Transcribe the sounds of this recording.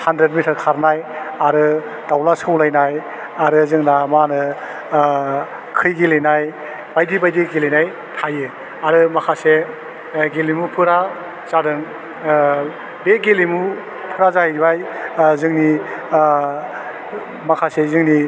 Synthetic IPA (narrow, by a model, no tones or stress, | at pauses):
handɾet̚mitʰɐɾkʰaɾnajaɾɯ | d̥awlaskɯwlajnaj | aɾɯzɯŋnamanɯ | kʰɯjɡilejnaj | b̥ajdibajdiɡilejnaj | tʰajɯ | aɾɯmakʰase | ɡelimupʰɯɾa | z̥adɯŋ | beɡelimu | pʰɯɾazahibajzɯŋni | makʰasezɯŋni